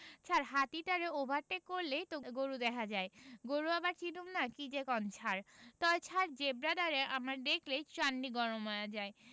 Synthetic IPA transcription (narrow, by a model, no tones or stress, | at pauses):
t͡ɕʰaɾɦat̪iʈaɾeobʱaɾʈekoɾlejt̪oɡoɾud̪ɛkʰad͡ʑaeɡoɾuabaɾt͡ɕinumnakid͡ʑekɔnt͡ɕʰaɾt̪ɔbet͡ɕʰaɾd͡ʑebɾad̪aɾeʔamaɾd̪ekʰlejt͡ɕanːiɡɔɾomajad͡ʑae